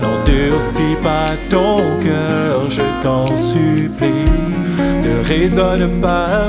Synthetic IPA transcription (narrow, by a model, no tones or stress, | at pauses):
ɔ̃d̪ysipa | t̪ɔ̃kəʒət̪ɑ̃sypli | nəʁezɔnpa